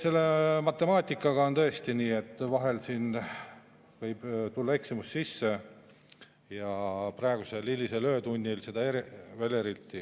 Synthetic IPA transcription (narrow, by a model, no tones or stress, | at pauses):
se̞lːe̞mɑt̪ːˑe̞mɑːt̪ʲːˑikːˑɑɡ̥ɑo̞nt̪ɤ̞e̞st̪iniːe̞t̪ːˑvɑɦe̞lsiːn | vɤ̞jb̥t̪ulːɑe̞ksimusːisːe̞ | jɑprɑeɡ̥use̞lilːise̞lø̞ːt̪unʲːilse̞d̪̥ɑeɾive̞leɾilt̪ːˑi